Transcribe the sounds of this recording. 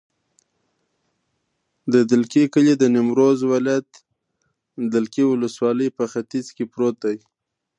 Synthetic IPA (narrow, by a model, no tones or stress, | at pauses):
d̪əd̪ɪlkikəlid̪ənɪmɾozwɪlɑjat̪ | d̪ɪlkiwʊləswɑləjpəxat̪izkepɾot̪ai